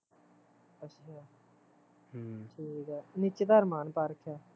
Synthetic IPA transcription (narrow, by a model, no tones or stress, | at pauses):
əaː | ʈʰiːkɛːnɪt͡ʃed̪əɾmaːnpaːɾəkʰaː